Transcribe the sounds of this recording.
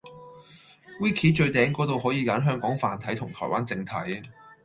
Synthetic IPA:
wiː˥kʰiː˨˥t͡ʃɵ˧ɥt̪ɛː˨˥ŋkɔː˨˥t̪o˨˧wɦɔː˨˥jiː˨˧ka˨˥nɦœː˥ŋkɔː˨˥ŋfaː˨˧nt̪ʰɐ˨˥jt̪ʰʊ˨˩ŋt̪ʰɔ̰ː˨˩jwaː˥nt͡sɪ˧ŋt̪ʰɐ˨˥j

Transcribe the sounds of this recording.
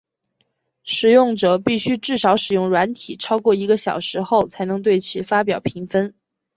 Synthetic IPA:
ʂɻ̩˨˩jʊ˥˩ŋʈ͡ʂɤ˨˩pi˥˩ɕy˥ʈ͡ʂɻ̩˥˩ʂɑ˧˥ʊʂɻ̩˨˩jʊ˥˩ŋɻwa˧˥nt̪ʰi˨˩ʈ͡ʂʰɑ˥ʊkwɔ˥˩i˧˥ɡə˧ɕjɑ̰˨˩ʊʂɻ̩˧˥xo˥˩ʊt͡sʰa˧˥ɪnɤ˧˥ŋt̪we˥˩ɪt͡ɕʰi˧˥fa˥pjɑ˨˩ʊpʰi˧˥ŋfə˥n

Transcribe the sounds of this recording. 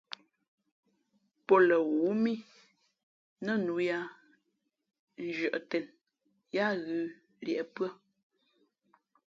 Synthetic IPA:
pɔ˦lə˨ɣu˨˦mi˦ | nə˦˨nu˨˦ja˦˨ | n̩˦d͡ʒɰə˨ʔtɛ˨n | ja˦ɣʉ˨˦ | ljɛ˨ʔpɰə˦

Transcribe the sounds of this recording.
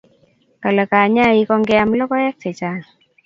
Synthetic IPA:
ka˨lɛ˨ka˨ɲa˦˨i˦kɔ˦ŋɡɛ˦a˨mlɔ˦kɔ˦jɛ˦k̚tɛ˨t͡ʃa˦

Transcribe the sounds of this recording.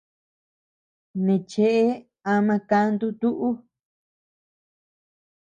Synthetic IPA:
nẽ˨t͡ʃe˧˦ʔe˦ | a˧mã˧ka˧˦nd̪u˦t̪u˦ʔu˦

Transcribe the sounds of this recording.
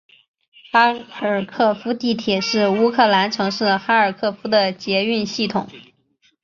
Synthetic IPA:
xa˥ə˞˨˩kʰɤ˥˩fu˥t̪i˥˩t̪ʰjɛ˨˩ʂɻ̩˥˩u˥kʰɤ˥˩la˧˥nʈ͡ʂʰɤ˧˥ŋʂɻ̩˥˩xa˥ə˞˨˩kʰɤ˥˩fu˥d̪ə˨t͡ɕjɛ˧˥y˥˧nɕi˥˩t̪ʰʊ˨˩˦ŋ

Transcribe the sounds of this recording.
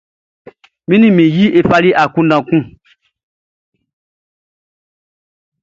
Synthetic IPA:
mĩ˦nĩ˦mĩ˨ji˦e˦fa˧li˦ʔa˨kũ˦dã˨kũ˦

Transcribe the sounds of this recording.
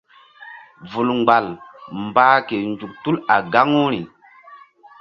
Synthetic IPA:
vu˨lŋ͡mɡ͡ba˨lmbaː˦ke˨nd͡ʒu˨k̚tu˦la˨ɡa˦ŋu˦ɾi˨

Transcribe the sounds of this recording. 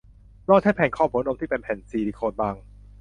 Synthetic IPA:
lɔː˥˩aː˥˩pʰɛː˧nkʰɔː˥˩pʰu˩˦no˧mt̪ʰiː˥˩pe˧npʰɛ˨˩nsiː˧diː˧˩kʰoː˧nbaː˧ŋ

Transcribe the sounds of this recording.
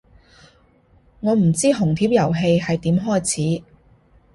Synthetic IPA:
ŋɔː˨˧m̩˨˩t͡siː˥ɦʊ˨˩ŋt̪ʰiː˨˥p̚jɐ˨˩wɦe˧jɦɐ˨jt̪iː˨˥mɦɔː˥˩jt͡sʰiː˨˥

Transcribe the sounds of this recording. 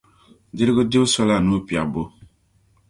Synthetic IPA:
dɪ˦ɾɪ˦ɡo˦di˦sɔ˦la˦˨nu˦˨pi˨a˨bo˦

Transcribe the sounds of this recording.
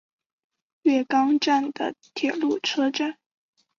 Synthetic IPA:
ɥɛ˥˩kɑ˥ŋʈ͡ʂa˥˩nd̪ə̰˩t̪ʰjɛ˨˩lu˥˩ʈ͡ʂʰɤ˥ʈ͡ʂa˥˩n

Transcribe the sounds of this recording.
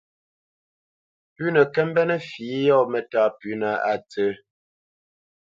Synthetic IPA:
pʉ˦nə˨kɛ˦m˦bɛ˦nɛ˦fi˨˦jɔ˦˨mɛ˨ta˦˨pʉ˨˦na˨a̰˨t͡sə˦

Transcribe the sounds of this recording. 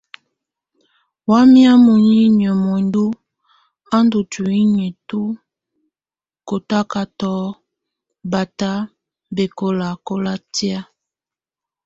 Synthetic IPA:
wa˦mi˦a˦mu˨ɲi˦ɲ˨ɔ˨mɔ˨ndu˦ | a˦ndu˨tu˨i˦ɲe˨tu˦ | ko˨ta˦ka˨tɔ˦ | ba˨ta˦ | be˨ko˨la˨ko˦la˦ti˦a˦

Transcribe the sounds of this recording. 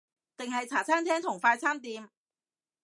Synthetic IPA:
t̪ɪ˨ŋɦɐ˨jt͡sʰaː˨˩t͡sʰaː˥ŋt̪ʰɛː˥ŋt̪ʰʊ˨˩ŋfaː˧jt͡sʰaː˥mt̪iː˨˧m

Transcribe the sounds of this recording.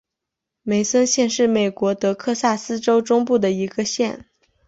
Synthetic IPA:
me˨˩ɪsə˥nɕjɛ˥˧nʂɻ̩˥˩me˨˩ɪkwɔ˧˥t̪ɤ˧˥kʰɤ˥˧sa˥˩sɹ̩˥ʈ͡ʂo˥ʊʈ͡ʂʊ˥ŋpu˥˩d̪ə˩i˧˥ɡ̥ə˧ɕjɛ˥˩n

